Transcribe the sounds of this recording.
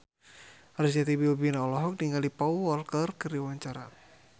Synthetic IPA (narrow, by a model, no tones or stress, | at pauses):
arid͡ʒat̪ibiubinaɔlɔɦɔk̚niŋaldipauwɔlkərkəriwaɲt͡ʃaɾa